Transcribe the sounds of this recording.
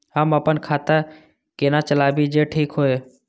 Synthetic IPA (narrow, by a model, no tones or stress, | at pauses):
ɦəməpənkʰaːt̪ə | kenat͡ʃəlaːbid͡ʒeːʈʰiːkɦoːe